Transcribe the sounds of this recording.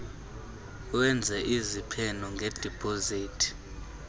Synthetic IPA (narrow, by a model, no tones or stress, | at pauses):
wɛnd͡zʱɛʔizipʰɛnɔŋɡʱɛd̥ʱipʼoziːtʰi̥